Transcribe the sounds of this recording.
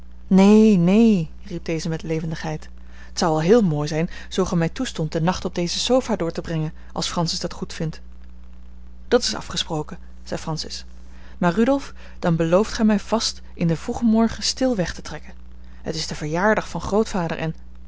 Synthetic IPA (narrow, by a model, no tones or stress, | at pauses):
nejnej | rib̚dejzəmɛtlejvəndəχɦɛjt | ətsɑwɑlˠɦɪːlˠmoːjzɛjnz̥owχɛmɛjtustɔnt̚dənɑχtɔb̚dejzəsowvaːdʊːɹtəbrɛŋən | ʔɑ̰lˠsfrɑnsɪsdɑtχutfɪnt | d̥ɑtɪ̥sɑ̰fχəsprowkə | z̥ɛjfrɑnsɪs | maːɹrydɔlˠf | d̥ɑnbəlowftχɛjmɛjv̥ɑst | ʔɪndəvruχəmɔɹχəstɪlˠʋɛχtətrɛkən | hətɪsdəvəɹjaːɹdɑχfɑnχrowtfaːdə̰ɹʔɛn